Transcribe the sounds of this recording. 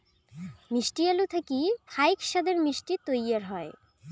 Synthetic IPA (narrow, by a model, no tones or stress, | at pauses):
miʃʈialut̪ʰakifʰajkʃad̪eɾmiʃʈit̪ojaɾɦɔe